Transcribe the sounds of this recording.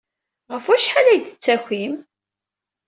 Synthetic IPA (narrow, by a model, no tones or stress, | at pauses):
ʁəfwæʃħalæjd̪ə̥t͡sːæçim